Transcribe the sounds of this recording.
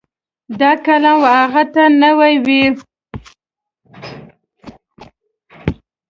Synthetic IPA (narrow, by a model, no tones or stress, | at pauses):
d̪ɑkalɑnwaaɣat̪anawajwi